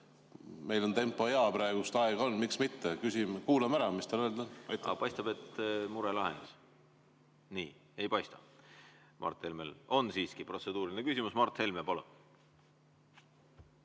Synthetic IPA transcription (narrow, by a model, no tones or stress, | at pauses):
me̞jlo̞nt̪e̞mpːˑo̞eɑpɾɑeɡ̥ust̪ɑeɡ̥ɑo̞nmiksmit̪ːekysimkuːlemæɾɑmist̪ɑløːld̪ɑnɑjt̪ːɑ̰pɑjst̪ɑb̥e̞t̪muɾelɑɦend̪̥is | niːe̞jpɑjst̪ɑ | mɑ̰rt̪he̞lmelo̞nsiːskipro̞t̪se̞d̪uːɾilinekysimusmɑrt̪ːˑhe̞lmepolḛ